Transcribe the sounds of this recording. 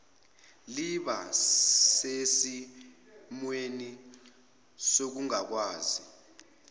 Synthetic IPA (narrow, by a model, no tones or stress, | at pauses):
liɓa̰sesi | mweni | sok̬uŋak̬waːzi